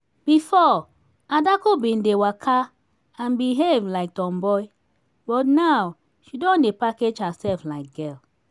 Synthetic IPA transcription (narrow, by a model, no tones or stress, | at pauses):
b̥ifɔ | adakobĩndewakʰa | ãnbiɦevlaɪk̚tɔ̃mbɔi | bɔtnaw | ʃidɔ̃ndepaked͡ʒhasɛlflaɪk̚ɡɛl